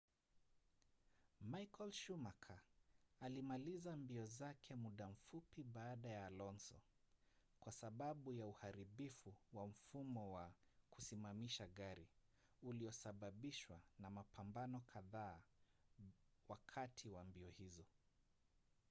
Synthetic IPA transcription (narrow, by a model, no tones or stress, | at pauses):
majkɔlʃumakʰaalimalizambiɔzakʰɛmuɗam̩fupiɓaːɗajalɔnsɔ̰ | kwasaɓaɓujauhaɾiɓifuwam̩fumɔwakusimamiʃaɠaɾi | uliɔsaɓaɓiʃwanamapʰambanɔkʰaðaː | wakʰatʰiwambiɔhizɔ